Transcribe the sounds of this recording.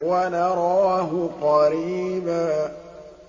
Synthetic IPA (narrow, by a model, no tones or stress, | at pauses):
wanɑɾˤɑːɦʊqɑɾiːbaː